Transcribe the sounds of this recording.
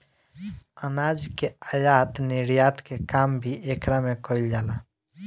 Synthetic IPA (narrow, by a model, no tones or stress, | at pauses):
ənad͡ʒkeajat̪niɾjat̪kekambʱiʔekɾamekəild͡ʒaːla